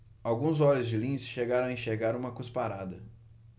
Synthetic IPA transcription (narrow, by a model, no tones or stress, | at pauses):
awɡũzɔʎʊzd͡ʒɪlĩsɪ̥ʃeɡaɾɐ̃w̃ɐẽʃeɾɡaɾũmɐkuspaɾad̪ɐ